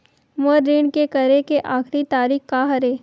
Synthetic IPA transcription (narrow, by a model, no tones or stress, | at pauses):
moːɾːiːɳkekɐɾekeʔaːxɾit̪aːɾiːxkaɦɐɾeː